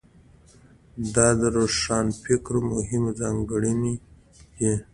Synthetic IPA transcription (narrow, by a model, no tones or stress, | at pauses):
d̪ɑd̪əɾoʂɑːnfɪkɾmʊɦɪmzɑŋɡəɽini | d̪e